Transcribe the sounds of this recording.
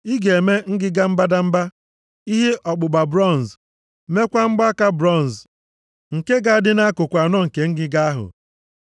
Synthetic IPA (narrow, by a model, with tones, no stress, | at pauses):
i˦ɡe˨me˦ŋ̩˦ɡɪ˦ɡa˦m̩˦ba˦da˦m̩˦ba˦ | i˦ɦe˦ʔɔ˨ɡ͡bʊ˨ɡ͡ba˨bɾɔ˦˨n˨z | me˦kʷa˦ŋ͡m̩˦ɡ͡ba˦a˦ka˦bɾɔ˦˨n˨z | ŋ̩˨ke˦ɡa˦a˦dɪ˦na˦a˦kʊ˨kʷa˨nɔ˦ŋ̩˨ke˨ŋ̩˦ɡɪ˦ɡa˦a˦ɦʊ̰˨